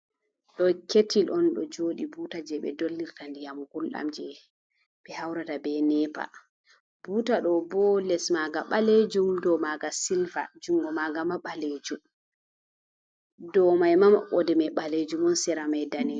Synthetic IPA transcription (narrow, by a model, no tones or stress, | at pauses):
ɗɔketilʔɔnɗɔ̰d͡ʒoːɗibuːtad͡ʒɛɓɛ̰dolːiɾtandijamɡulɗa̰md͡ʒɛ | ɓɛhawɾatabɛnɛpa̰ | b̥uːtaɗɔbɔlɛsmaɡaɓaled͡ʒumdɔmaɡasilva̰d͡ʒuŋɡɔmaɡamaɓaled͡ʒum | dɔmajmamaɓɔdɛmaɓaled͡ʒumɔnsɛɾamajdani